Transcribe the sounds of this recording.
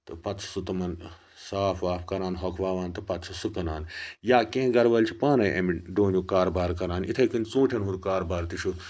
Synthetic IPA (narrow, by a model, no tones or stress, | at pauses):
t̪ɨpɐt̪t͡sʰɐ̥sut̪ɐmɐn | saːfʰaːpʰkɐɾaːnɦɔkʰʋaːʋaːnt̪ɐpɐt̪sʰɐsukɐnaːnjaːkʲẽːɡɐɾʋɐlʲt͡ʃʰipaːnɐjʔɐmiɖoːnjukaːɾbaːɾkɐɾaːnḭt̪ʰɐkɨnʲt͡sũːʈʰʲɐnɦũɾkaːɾbaːɾt̪iʃu